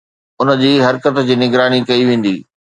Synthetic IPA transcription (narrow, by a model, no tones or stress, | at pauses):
ʊnə̆d͡ʑiːɦɐɾkət̪d͡ʑiːnɪɡɾaːnikɐiʋẽːn̆d̪iː